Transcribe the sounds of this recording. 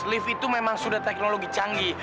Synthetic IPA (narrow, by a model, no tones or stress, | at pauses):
slɪfit̪umemaŋsudaht̪ɛk̚noloɡit͡ʃaŋɡi